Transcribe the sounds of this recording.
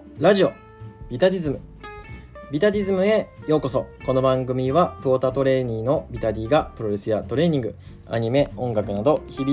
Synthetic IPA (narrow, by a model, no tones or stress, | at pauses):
ɾaʑio̞ | bʲit̪aɾʲizɨmɯ̟ | bʲit̪aɾʲizɨmɯ̟e̞jo̞ːko̞so̞ko̞no̞bãŋɡɯ̟mʲiβapɯoːt̪at̪o̞ɾe̞ːɲ̟ĩŋno̞bʲit̪aɾʲiːɡapɯ̟ɾo̞ɾe̞sɨjat̪o̞ɾe̞ːɲ̟ĩŋɡɯ̟ | a̰ɲ̟ime̞õ̞ŋɡakɯ̟nad̪o̞çiɾʲ